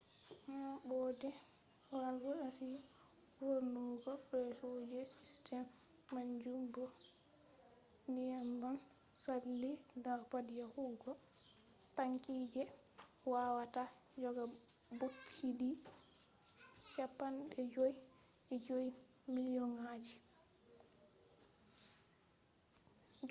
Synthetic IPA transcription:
ŋabɔdɛ | walɡɔasi | woɾnuɡɔbɛsod͡ʒɛsistʰɛmː | aɲd͡ʒumbɔ | ndijamban | salːidaɾpadijahuɡɔ | taŋkiːd͡ʒɛ | wawatad͡ʒɔɡa | bokʰːidi | t͡ʃapːanɗɛd͡ʒoj | ʔɛd͡ʒoj | milijɔnad͡ʒi | ɡ

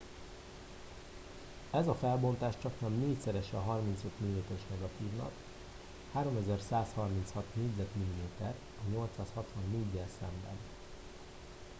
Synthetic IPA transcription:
ɛzɒfɛlbo̞nt̪aːʃt͡ʃɒknɛmneːcsɛɾɛʃɒɦɒrminsøt̪milimeːt̪ɛɾɛʃnɛɡɒt̪iːvnɒ̰k | haːɾo̞mɛzɛrsaːshɒrmint̪shɒt̪neːɟzɛt̪milimeːt̪ɛr | ɒɲo̞lt̪saːshɒt̪ʋɒnːeːɟːɛlsɛmbɛ̰n

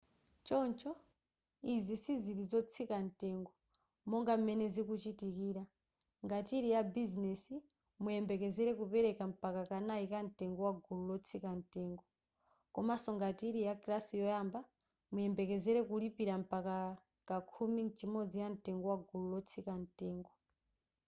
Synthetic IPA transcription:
t͡ʃɔnt͡ʃɔ | izisiziɾizɔt͡sʰikan̩tɛŋɡɔ | mɔŋɡam̩mɛnɛzikut͡ʃitikiːɾa | ŋɡatiɾijabiznɛsi | mujɛmbɛkɛzɛɾɛkupɛɾɛkam̩pakakanaikan̩tɛŋɡɔwaɡululɔt͡sʰikan̩tɛːŋɡɔ | kɔmasɔŋɡatiɾijakɾasijɔjamba | mujɛmbɛkɛzɛɾɛkulipiɾam̩paka | kakʰumint͡ʃimɔd͡zijantɛŋɡɔwaɡʱululɔt͡sʰikantɛːŋɡɔ

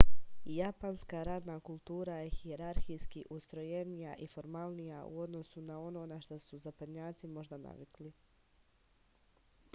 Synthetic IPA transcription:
japanskaɾaːd̪nakulˠt̪uːɾajexieɾaɾxijskiʔust̪ɾo̞je̞nijaʔifo̞ɾmalˠnijaṵo̞d̪no̞sunao̞no̞ːnaʃt̪osuzapad̪ɲaːt̪simo̞ʒd̪ana̰ʋikli

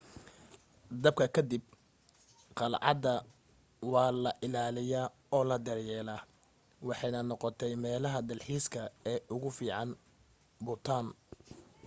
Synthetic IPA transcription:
d̪ɐb̚kʰɐkʰɐd̪ib̚ | qɑlʕɑ̰d̪ɐ | wɑːlɐʔɪlaːlɪjaː | ɔːlɐd̪ɐrjɛːlaː | wɑħɑjnɐnɔqɔt̪ʰɛjmɛːlɐɦɐd̪ɐlħiːskʰɐɛːʔʊɣʊfiːʕɑn | bʊt̪ʰaːn

